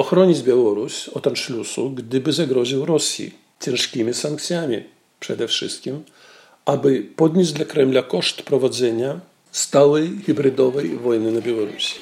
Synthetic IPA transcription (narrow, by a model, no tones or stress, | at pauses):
ɔxɾɔɲid͡ʑbʲjawɔɾusʲɔt̪anʂlʲusuɡd̪ɘbɘzaɡɾɔʑiwɾɔsʲjḭ | t͡ɕɛ̃nʂkʲimʲisaŋkt̪sʲjamʲḭ | pʂɛd̪ɛfʂɨ̰st̪̚kʲim | ʔabɘpɔd̪nɲed͡ʑd̪lakɾɛmlakɔʂt̪pɾɔvad̪zɛɲa | st̪awɛjɣʲibɾɨd̪ɔvɛjvɔjnɘnabʲjawɔɾṵsʲi̥